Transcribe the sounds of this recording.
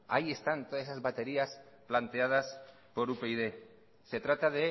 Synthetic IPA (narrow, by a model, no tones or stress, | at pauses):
aie̞st̪ant̪oðasesazβat̪e̞ɾias | plant̪eað̞as | po̞ɾupeiðe | se̞t̪ɾat̪aðe